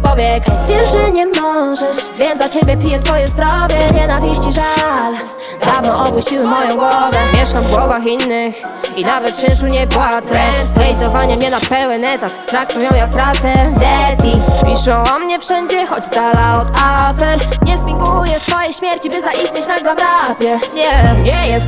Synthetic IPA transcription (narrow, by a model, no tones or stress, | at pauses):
pɔbʲjɛkavʲjɛʐɛɲɛmɔʐɛʂvjɛnat͡ɕebʲjɛpʲijɛt̪fɔjɛzd̪ɾɔvʲjɛɲɛnavʲiɕt͡ɕiʐal | d̪avnɔʔɔbuɕt͡ɕiwɘmɔjɔ̃w̃ɡwɔvɛmʲjɛʂkamvɡwɔvaxinːɘx | inavɛt̪̚t͡ʃɛ̃ʂ̬uɲɛbwat̪sɛɛjt̪ɔvaɲɛmʲɛnapɛwɛnɛt̪at̪ːɾak̚t̪ujɔ̃w̃jak̚pɾat̪sɛd̪ɛt̪ʲipʲiʂɔ̃w̃ɔmɲɛfʂɛɲd͡ʑɛxɔd͡ʑsd̪alaɔd̪afɛɾɲɛzmʲiŋɡujɛsfɔjɛjɕmʲjɛɾt͡ɕibɘzaʔisɲet͡ɕnaɡlɔbɾapʲjɛɲɛɲɛjɛst̪